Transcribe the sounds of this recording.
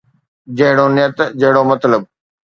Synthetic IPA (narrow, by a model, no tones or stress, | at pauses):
d͡ʑɐɦɪɽonɪjət̪d͡ʑɐɦɪɽomɐt̪ləb̚